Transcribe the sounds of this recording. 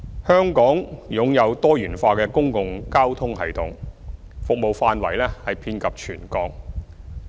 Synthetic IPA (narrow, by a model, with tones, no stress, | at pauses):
hœː˥ŋkɔː˨˥ŋjʊ˨˥ŋjɐ˨˧wt̪ɔː˥jyː˨˩nfaː˧kɛː˧kʊ˥ŋkʊ˨ŋkaː˥wt̪ʰʊ˥ŋɦɐ̰˨jt̪ʊ˨˩ŋ | fʊ˨k̚mo˨wfaː˧nwɐ̰˨˩jlɛː˥hɐ˨jpʰiː˧nkɐ˨p̚t͡ʃʰy̰ː˨˩nkɔː˧ŋ̚